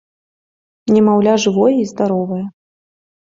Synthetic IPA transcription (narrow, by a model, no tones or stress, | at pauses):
nʲɛmawlʲaʐɨvɔjɛizd̪aɾɔvɐjɐ